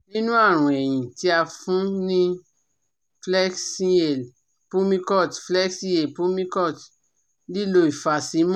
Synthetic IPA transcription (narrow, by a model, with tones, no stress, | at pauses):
nĩ˦nũ˦a˦˨ɾ̃ũ˨ɛ˨j̃ĩ˨ti˧˦a˧fũ˦nĩ˦ | flɛ˦ksi˦e˨l | pũ˦mĩ˦kɔ˦˨tflɛ˦ksĩ˦e˨pũ˦mĩ˦kɔ˦˨t | li˦˨lo˧˦i˦˨fa˨˧sĩ˨˦m˦